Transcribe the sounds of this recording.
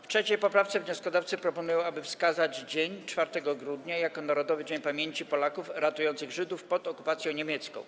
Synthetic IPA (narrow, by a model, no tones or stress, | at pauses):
ftʂɛt͡ɕejpɔpɾaft̪sɛvɲɔskɔd̪aft̪sɘpɾɔpɔnujɔ̃w̃abɘfskazad͡ʑd͡ʑeɲt͡ʂfaɾt̪ɛɡɔɡɾud̪ɲajakɔnaɾɔd̪ɔvɘd͡ʑeɲpamʲjeɲt͡ɕipɔlakufɾat̪ujɔ̃nt̪sɘɣʐɘd̪ufpɔt̪ɔkupat̪sʲjɔ̃w̃ɲemʲjɛt̪skɔ̰̃w̃